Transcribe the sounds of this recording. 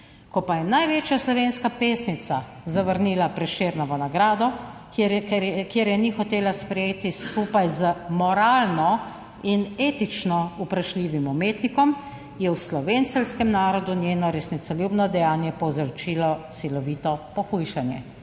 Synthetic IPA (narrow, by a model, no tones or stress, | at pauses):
kɔpajɛnajʋeːt͡ʃjaslɔʋeːnskapeːsnit̪sazaʋəɾniːlapɾɛʃeːɾnɔʋənaɡɾaːd̪ɔ | kɛkjeːɾjɛnixɔt̪eːlaspɾɛjeːt̪iskuːpajzəmɔɾaːlnɔ | ineːt̪it͡ʃnɔupɾaʃliːʋimumeːt̪nikɔm | jɛwslɔʋeːnt̪sɛlskɛmnaːɾɔd̪unjeːnɔɾɛsnit̪sɔljuːbnɔd̪ɛjaːnjɛpɔwzəɾt͡ʃiːlɔsilɔʋiːt̪ɔpɔxujʃanjɛ̰